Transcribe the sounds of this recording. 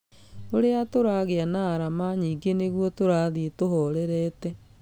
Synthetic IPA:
oɾeatoɾaɣeanaːɾamaɲiːŋɡeneɣwɔtoɾaðietoɦɔɾɛɾɛːtɛ

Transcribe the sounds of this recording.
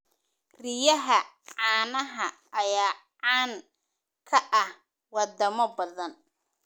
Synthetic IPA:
rɪjɐɦɐ | ʕɑːnɐɦɐ | ɐjaː | ʕaːŋ | kʰɐʔɐh | wɑd̪ɐmɔbɐðɐn

